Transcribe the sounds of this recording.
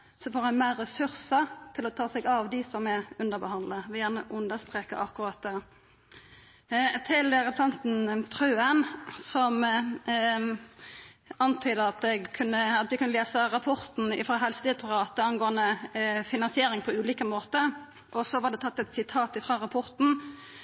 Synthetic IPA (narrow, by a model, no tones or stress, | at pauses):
sɔfoːɾhɑnmæːɾɛsʉɾsət̪ʰɪlɔt̪ʰɑːsɛɡɑʋd̪ɪsɔmɛʉnd̪əʁbəhɑnd̪ləʋɪjæːʁnəʔʉnd̪əst̪ʁeːkə̰ʔɑkːʊɾɑt̪̚d̪ɛ | t̪ʰɪlɾɛpɾsɛnt̪n̩t̪ʰʁʉːənsɔm | ɑnt̪ʰyːd̪əɑt̪̚d̪ɛɡkʰʉnːəɑt̪̚ʋ̪ɛkʰʉnːəleːsəɾɑpʰɔʁt̪n̩ɪfɾɑːɦɛlsəd̪ɪt̪ʰʊʁɑːt̪əɑnɡoːənd̪əfɪnɑnsɪeːɾɪŋpʰɔʉːliːkəmoːt̪ə | ʔɔsɔʋɑɖ̪ɛt̪ʰɑt̪ːɛt̪sɪt̪ʰɑːt̪ɪfʁɑːʁɑpʰɔʁt̪n̩